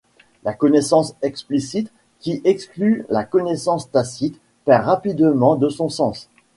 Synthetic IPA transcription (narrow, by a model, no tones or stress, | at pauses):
lakɔnesɑ̃sɛksplisit̪ | kʲiʔɛksklylakɔnesɑ̃st̪asit̪ | pɛʁʁapid̪əmɑ̃d̪əsɔ̃sɑ̃s